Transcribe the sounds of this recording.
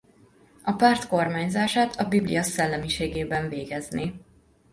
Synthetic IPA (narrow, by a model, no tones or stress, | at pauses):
ɒpaːrt̪ko̞rmaːɲzaːʃaːt̪ʰɒbiblḭjɒsɛlːɛmiʃeːɡeːbɛɱveːɡɛzneː